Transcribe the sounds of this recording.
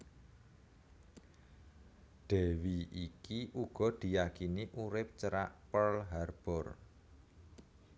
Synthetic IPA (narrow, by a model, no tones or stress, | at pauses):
ɖ̪̥ɛ̤wiikiʔuɡ̥ɔ̤d̪̥i̤jakiniʔuɾɪp̚t͡ʃəɾaʔpəlɦarb̥ɔr